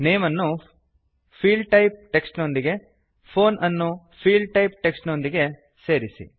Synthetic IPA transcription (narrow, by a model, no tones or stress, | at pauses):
ne̞ːmɐnːu | pʰiːɭɖʈɐjp̚ʈe̞ksʈnond̪iɡe̞ | pʰo̞ːnʔɐnːu | pʰiːɭɖʈɐjp̚ʈe̞ksʈnond̪iɡe̞ | se̞ːɾisḭ